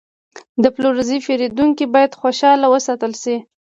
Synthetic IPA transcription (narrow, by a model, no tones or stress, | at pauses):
d̪əploɾzifeɾed̪uŋkibɑjad̪xoʃɑlawəsɑt̪əlʃi